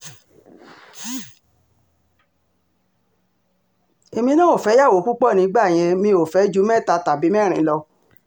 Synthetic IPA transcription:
e˨mĩ˧˦nã˦o˦˨fɛ˨˦ja˦˨wo˨˦ku˦k͡pɔ˦˨nĩ˨˦ɡ͡ba˦˨j̃ɛ̃˧mĩ˧o˨fɛ˨˦d͡ʒu˦mɛ̃˦˨ta˧ta˨bi˨˦mɛ̃˦˨ɾ̃ĩ˨˦lɔ˧

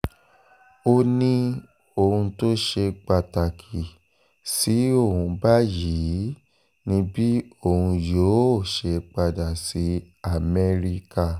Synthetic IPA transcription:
o˧nĩ˦ | o˨hũ˧to˦ʃe˧k͡pa˧ta˨kʰi˨ | si˨˦o˦˨hũ˧ba˦ji˨˦˨ | nĩ˧bi˦o˦˨hũ˧jo˨˦o˦˨ʃe˧k͡pa˧da˨si˨˦ | a˦˨mɛ˦ɾi˦ka˦˨

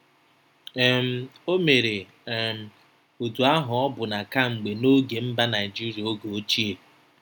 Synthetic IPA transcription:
ɛ˨m̩˦o˦me˨ɾe˨ | m̩˨ | o˨tu˨a˦ɦʊ˨ɔ˦bʊ˨na˨ka˦ŋ͡m̩˨ɡ͡be˨no˦ɡe˨m̩˦ba˦na˨ɪ˨d͡ʒi˦ɾja˨o˦ɡo˨o˦t͡ʃi˦e˨

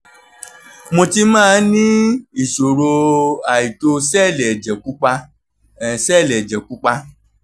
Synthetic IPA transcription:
mõ˧ti˧mãː˦˧˨nĩ˦i˨ʃo˨ɾo˧a˨i˨to˧sɛ˦˨lɛ˨d͡ʒɛ˨ku˦k͡pa˧˨ | sɛ˦˨lɛ˨d͡ʒɛ˨ku˨˦k͡pa˧

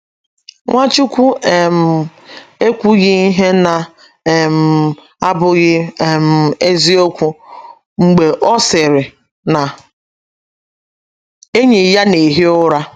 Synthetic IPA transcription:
ŋʷa˦t͡ʃu˦kʷu˦e˨m̩˨e˦kʷu˦ɣɪ˦i˦ɦe˦na˨ | m̩˨ | a˦bʊ˦ɣɪ˦˨m̩˨e˦zi˦o˦kʷu˦ | ŋ͡m̩˨ɡ͡be˨ʔɔ˦sɪ˨ɾɪ˨ | na˨ | e˦ɲe˨ja˦ne˨ɦi˦ʊ˦ɾa˦

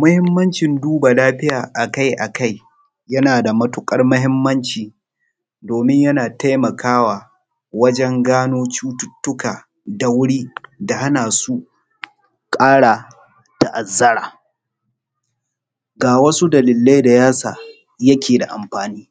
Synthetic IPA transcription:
mʊ˦hɪ˦mːɐ˦nt͡ʃɪ˨nduː˦ba˨laː˦ɸɪ˦jaː˨ʔa˨ka˦jʔa˨ka˦j | jɐ˦naː˨da˨mɐ˦tʊ˦kʼɐ˦rmʊ˦ɦɪ˦mːɐ˦nt͡ʃiː˨ | doː˨mɪ˦ɲjɐ˦naː˨ta˦jmɐ˨kaː˦waː˨ | wɐ˦d͡ʒɛ˦ŋɡaː˦noː˦t͡ʃuː˦tʊ˦tːʊ˦kaː˨ | da˨wʊ˦ɽiː˦da˨ha˦naː˨su˦ | kʼaː˦ɽa˨ | ta˨ʔa˨zːɐ˦ɽaː˨ | ɡaː˨wɐ˦su˦dɐ˨lɪ˨lːa˦jda˨jaː˦saː˨ | jɐ˦kʲeː˨da˨ʔa̰˨mɸaː˨niː˦

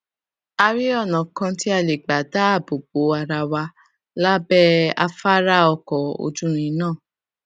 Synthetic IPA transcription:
a˧ɾi˦ɔ˦˨nã˨kã˧ti˦a˧˨le˨ɡ͡ba˨da˨˦a˦˨bo˨ɡ͡bo˨˦a˧ɾa˧wa˧ | la˦bɛ˦a̰˧fa˦ɾa˦ɔ˧kɔ˨o̰˧d͡ʒũ˦ɾ̃ĩ˧˦nãː˦˨

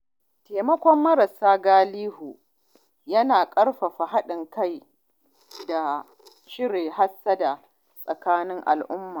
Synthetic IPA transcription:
teː˨mɐ˦kʷɔ˦mːɐ˦ɾɐ˨saː˦ɡaː˦liː˦hu˨ | jɐ˦naː˨kʼɐ˦ɽɸa˨ɸa˨ɦa˦ɗɪ˨ŋka˦j | da˨ | ʃɪ˦ɾeː˨ha˦sːa˦da˨ | sʼɐ˨kaː˦nɪ˦ŋʔa̰˨lʔʊ˦mːaː˨

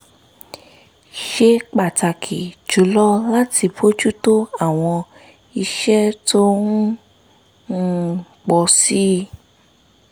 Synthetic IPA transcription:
ʃe˧k͡pa˨ta˨kʰi˨d͡ʒu˨lɔ˦la˦tʰi˧bo˦d͡ʒu˦to˦a˦˨w̃ɔ̃˧ | i˧ʃɛ˦to˦nu˦ | nu˦ | k͡pɔ˧si˦

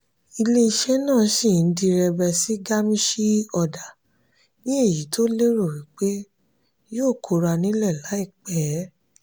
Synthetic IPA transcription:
i˧le˧i˧ʃɛ˦nãː˦˨˦ʃi˦˨n̩˦di˧ɾɛ˧bɛ˧si˦ɡa˦mĩ˦ʃi˦ɔ˧˨da˨ | nĩ˦e˦˨ji˨˦tʰo˦le˦ɾo˦˨ɾi˨˦k͡pe˦ | joː˦˨kʰo˨˧ɾa˧nĩ˦lɛ˦˨la˨˦i˦˨k͡pɛ˨˦

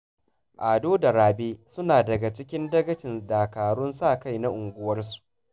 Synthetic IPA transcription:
ʔaː˨doː˦da˨ɾaː˨beː˦sʊ˦naː˨dɐ˨ɡa˨t͡ʃɪ˦kʲɪ˦ndɐ˦ɡɐ˦t͡ʃɪ˨ndaː˨kaː˨ɽʊ˦nsaː˦˨ka˦jna˦ʔʊ˨ŋɡʷʊ˦wɐ˦rsu̥˨ʔ

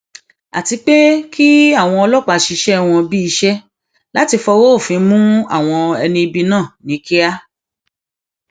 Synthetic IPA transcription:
a̰˨ti˧k͡pe˦ki˦a˦˨w̃ɔ̃˧ɔ˧lɔ˦k͡pa˧˨ʃi˧ʃɛ˦w̃ɔ̃˧bi˦i˧ʃɛ˦ | la˨˦ti˧fɔ˧wo˦o˦˨fĩ˧mũ˦a̰˦˨w̃ɔ̃˧ɛ˧nĩ˧i˧bi˧nãː˦˨nĩ˨˦ki˦a˦

